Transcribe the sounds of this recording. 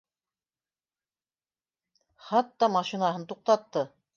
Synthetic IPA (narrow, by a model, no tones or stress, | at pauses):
χɑt̪ːɑmɑʃinaɦɤnt̪uq̚t̪ɑt̪ːɤ